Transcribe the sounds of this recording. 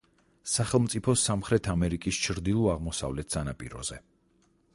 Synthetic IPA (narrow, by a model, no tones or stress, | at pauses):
saχɛlˠmt̪sʼipʰɔsamχɾɛt̪ʰamɛɾikʼist͡ʃʰɾd̪ilˠuaʁmɔsa̰vlɛt̪̚ʰsʼanapʼḭɾɔ̰zɛ